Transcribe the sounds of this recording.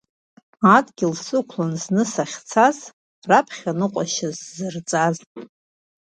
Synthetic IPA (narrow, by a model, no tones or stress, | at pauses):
adɡʲɪlsɨkʷʰlanznɨsaχʲt͡sʰaz | rapʰχʲanɨqʷʼaʃazzɨrt͡sʼazʼ